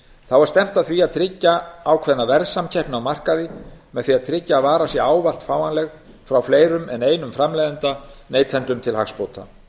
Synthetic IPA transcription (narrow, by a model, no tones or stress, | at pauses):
θawvaɾ̥st̪ɛm̥t̪aðθviaðt̪ʰɾɪcːaawkʰvɛðnavɛɾðsamcʰɛhpnawmar̥kaðɪmɛðθviaðt̪ʰɾɪcːaːðvaːɾasjɛaːwval̥t̪faːwanlɛɣ | fɾawfleːjɾʏmɛneːjnʏmfɾamlejðɛnt̪aneːjt̪ʰɛnt̪ʏmt̪ʰɪlɦa̰xspoːwt̪ʰa̰